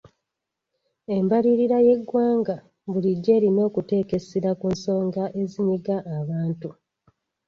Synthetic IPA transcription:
e̞mbaɾiɾiɾaje̞ɡːwaːŋɡa | βuliɟːe̞ːɾino̞ːkute̞ːke̞siɾakunso̞ːŋɡaʔe̞ziɲiɡaʔːβaːntu

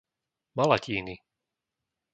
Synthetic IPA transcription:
malaciːni

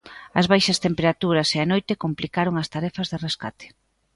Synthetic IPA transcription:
ɐzβajʃɐst̪empeɾat̪uɾɐseanojt̪ekomplikaɾoŋɐst̪aɾɛfɐzðereska̰t̪e̥

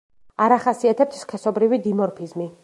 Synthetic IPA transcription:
aɾaχasiat̪ʰɛp̚t̪ʰskʰɛsɔbɾivid̪imɔɾpʰizmi

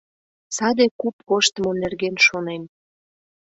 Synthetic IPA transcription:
sɑd̪ekupkoʃt̪əmonerɡenʃonen

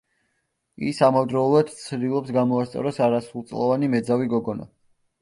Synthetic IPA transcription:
ḭsamavd̪ɾɔulˠad̪t̪sʰd̪ilˠɔpsɡamɔast̪sʼɔ̰ɾɔsaɾasulˠt̪sʼlˠɔvanimɛd̪zaviɡɔɡɔna̰

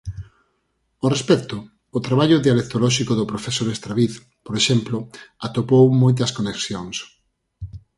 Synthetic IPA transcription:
orespɛkt̪oː | t̪ɾaβaʎʊðialek̚t̪olɔʃikoðopɾofesoɾest̪ɾaβiθ | poɾeʃɛmploat̪opowmojt̪ɐskoneksjoŋs

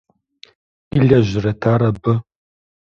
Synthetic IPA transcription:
iɮɐʑɪrɐtʰaːɾɐbɨ

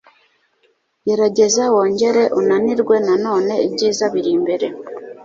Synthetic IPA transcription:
jeɾaɟezawoːɲɟe̞ɾeʔunaniɾɡwe̞nano̞ːne̞iɟiːzaβiɾiːmbeɾe

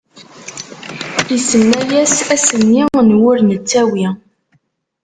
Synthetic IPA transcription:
isənːæjæsæsənːinwʊɾnət͡sːæwi

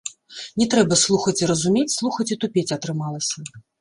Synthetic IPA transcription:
nʲɛt̪ɾɛbɐslˠuxɐt͡sʲiɾɐzumʲet͡sʲslˠuxɐt͡sʲit̪upʲet͡sʲɐt̪ɾɨmalˠɐsʲɐ

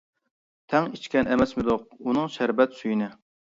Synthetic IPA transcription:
t̪ʰɛŋit͡ʃkʲɛnɛmɛsmɪd̪ʊq̚unɨŋʃæɾbɛt̪syjinɪ

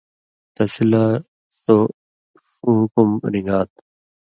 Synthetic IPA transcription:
t̪ɐsila | so | ʂũːɦkumɾiŋɡaːt̪̚

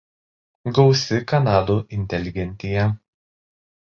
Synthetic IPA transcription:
ɡɒʊsʲɪkɐnɑːd̪uʔɪnʲt̪ʲɛlʲɪɡʲɛnʲˑt̪ʲɪjɛ

